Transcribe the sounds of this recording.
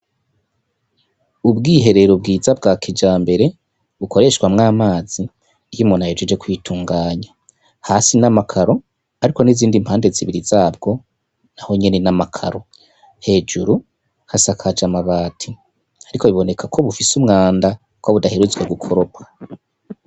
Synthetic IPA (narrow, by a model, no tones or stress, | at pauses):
ubɡiːɦe̞ɾe̞ɾob̚ɡiːzab̚ɡaːkid͡ʒaːmbe̞ɾe̞ | βukoɾe̞ʃɡwamŋaːmaːz̥i | jimonajed͡ʒed͡ʒe̞kwiːtʰuːŋɡaːɲa | haːsinamakʰaɾo̞ | aɾiko̞niziːndimpʰhaːnde̞ziβiɾizaːbɡo̞ | naho̞ɲe̞ne̞namakʰa̰ɾo̞ | he̞ːd͡ʒuɾu | hasakʰad͡ʒamaβaːtʰi | aɾiko̞βiβo̞ne̞kʰakʰo̞βufisumŋaːnda | kwaβudaheɾuzweɡukʰo̞ɾopḁ